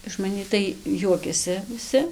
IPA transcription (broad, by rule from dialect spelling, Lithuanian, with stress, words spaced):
ɪʃ mɐˈnʲiː tɐɪ ˈjuɔkʲɛsʲɪ ʋʲɪˈsʲɪ